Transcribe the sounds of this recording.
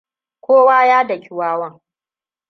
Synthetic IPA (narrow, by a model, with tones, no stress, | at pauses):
kʷoː˦waː˦jaː˦dɐ˨kʲɪ˨waː˦wɐ˦ŋ